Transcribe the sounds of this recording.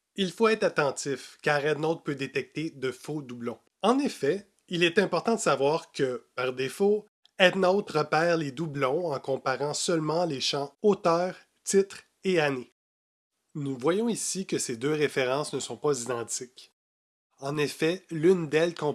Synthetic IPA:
ilfoɛːt̪χat̪ɑ̃t̪ɪfkaːʁɛd̪nɔʊt̪̚pød̪et̪ɛk̚t̪ed̪əfod̪ublɔ̃ | ɑ̃nefɛ | ilɛt̪ɛ̃pɔʁt̪ɑ̃d̪əsavwaːʁkəpaʁd̪efo | ɛd̪nɔʊt̪ʁəpɛːʁled̪ublɔ̃ɑ̃kɔ̃paʁɑ̃sœlmɑ̃leʃɑ̃ot̪œːʁ | t̪ɪt̪χ | eane | nuvwajɔ̃isikəsed̪øʁefeʁɑ̃ːsnəsɔ̃pazid̪ɑ̃t̪ɪk | ɑ̃nefɛlynd̪ɛlkɔ̃

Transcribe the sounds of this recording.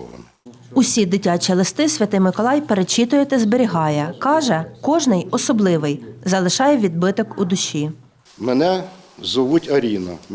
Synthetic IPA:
n | ʊsʲid̪ɪtʲɑt͡ʃʲilˠɪst̪ɪsʲʋʲɐt̪ɪjmɪkɔlˠɑjpeɾet͡ʃit̪ʊjɛt̪ɛzbeɾʲiɦɑjɛkɑʒɛkɔʒnɪjɔsɔblˠɪʋɪjzɐlˠɪʃɑjɛʋʲid̪̚bɪt̪ɔkud̪ʊʃʲi | mɛnɛ | zʊʋutʲɐɾʲinɐ̰

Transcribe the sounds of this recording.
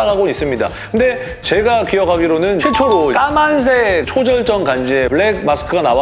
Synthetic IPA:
kaɡois͈ɯmɲida̰kɯnde̞ | t͡ɕe̞ɡakijʌkʰaɡiɾonɯnʰiɭt͡ɕʰoɾok͈amans̬ʰe̞t͡ɕʰod͡ʑʌɭt͡ɕ͈ʌŋkand͡ʑiepɯɭek̚masʰɯ̥kʰɯɡanawa

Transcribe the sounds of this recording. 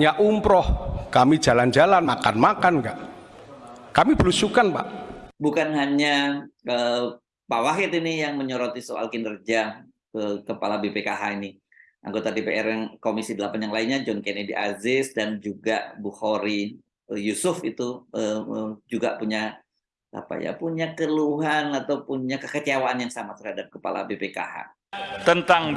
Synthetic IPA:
ɲaʔumpɾɔhkamid͡ʒaland͡ʒalanmakanmakanɡaʔ | kamibəlusukanpa̰ʔbukanɦaɲaə | pawaɦɪt̪inijaŋməɲoɾot̪isoʔa̰lkinərd͡ʒa | əkəpa̰labepekaɦaini | ʔa̰ŋɡot̪adepeʔɛrjaŋkomisidəlapanjaŋlainɲad͡ʒɔnkenediʔa̰zɪsdand͡ʒuɡaʔbuhoɾi | əjusʊfit̪uəəd͡ʒuɡapuɲa | ta̰pa̰ja̰puɲakəluɦanat̪awpuɲakəkət͡ʃiawaʔanjaŋsamat̪ərhadap̚kəpa̰la̰bepeka̰ha̰ | t̪ənt̪aŋ

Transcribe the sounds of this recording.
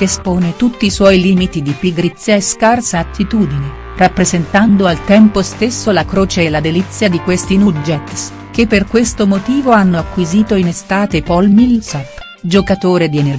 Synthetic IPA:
kespoːnet̪ut̪ːiːswɔjliːmit̪id̪ipiɡɾit̪sːjaeskarsaːt̪ʰːit̪uːd̪ine | rapːɾezent̪and̪oalt̪ɛmpost̪esːolakɾoːt͡ʃeelad̪elit̪sːjad̪ikwest̪inud͡ʒɛt̪s | kepːerkwest̪omot̪iːvoanːoakːwiziːt̪oinest̪aːt̪epɔlmilsapː | d͡ʒokat̪oːɾed̪iener

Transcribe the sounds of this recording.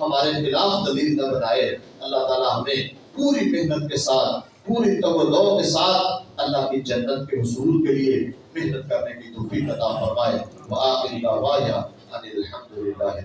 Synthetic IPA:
hɐmaːɾexɪlaːfd̪ɐliːlnabɐnaːe | ɐlːaɦt̪aːlaɦɐmẽ | puːɾimeɦnət̪̚kesaːt̪̚ʰ | puːɾit̪ɐwəlːɔːkesaːt̪ʰɐlːaɦkid͡ʒɐnːət̪̚keɦʊsuːlkelie | meɦnət̪̚kɐɾnekit̪oːfiːqɐt̪afɐɾmaːe | ʋɐaːʔɪlːaːʋaːɦjaː | aːleɐlħɐmd̪ʊlɪlːaːɦ

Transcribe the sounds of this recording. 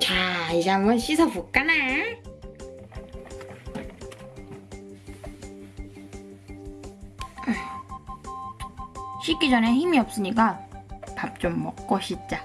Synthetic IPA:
t͡ɕaid͡ʑeamɡʌnɕ͈ʰisʰʌpuk͈ana | ɕʰik͈id͡ʑʌnɦe̞çimiʌp̚s͈ɯɲik͈apap̚t͡ɕ͈omːʌk̚k͈ʌɕʰit̚t͡ɕ͈a

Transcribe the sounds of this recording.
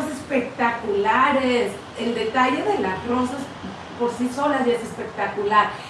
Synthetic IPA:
se̞spe̞kt̪akulaɾes | eld̪e̞t̪aʝe̞ðe̞latɾosas | po̞ɾsiso̞lazjaese̞spe̞k̚t̪akulaɾ

